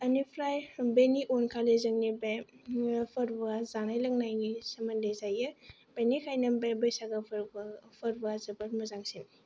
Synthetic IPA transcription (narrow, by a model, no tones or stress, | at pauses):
ɐnipʰɾajbeniʔonkʰalezɐŋnibe | pʰɐɾbazanajlɐŋnajnisɐmɐnlezajɯ | b̥enikʰajnɐmbebɐjsaɡɐpʰpʰɐɾbazɐbɐɾmɐzaŋsin